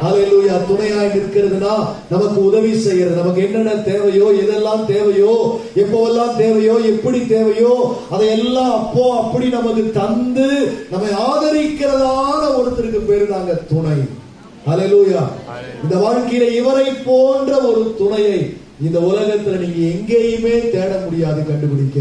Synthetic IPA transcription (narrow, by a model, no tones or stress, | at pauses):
hɐleːluːjaːt̪ʊɳɐjaːjɪnɪɾɯkːɪɾɐðɯnaː | nɐmɐkːɯʊðɐʋisɛjːɪɾɐðɯnɐmɐk̬ːɯɛnːɐnːɐt̪eːʋɐjoːɛðɛlːãːmt̪eːʋɐjoː | ɛpːoːʋɛlːãːmt̪eːʋɐjoːɛpːɐɽit̪eːʋɐjoː | ɐðɐɛlːãːɐpːoːɐpːɐɽinɐmɐkːɯt̪ɐnd̪ɯnɐmːɐɪaːðɐɾɪkːɪɾɐðaːnɐɔɾɯt̪ːɪɾɯkːɯpeːɾnaːŋɡɐt̪ʊɳɐɪ | hɐleluːjaːɪnd̪ɐʋaːɻkɐjɪlɐɪʋɐɾɐɪpːoːndrɐɔɾɯt̪ʊɳɐjɐɪ | ɪnd̪ɐʊlɐɣɐt̪ːɪlɐniːŋɡɐɛŋɡeːjɯmeːt̪eːɽɐmʊɽɪjaːðɯkɐɳɖɯpɪɽɪkː